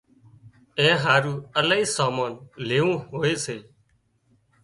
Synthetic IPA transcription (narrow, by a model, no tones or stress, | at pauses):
ẽːɦaːɾuːəlaːiːsaːmaːnleːʋũːɦoːeːseː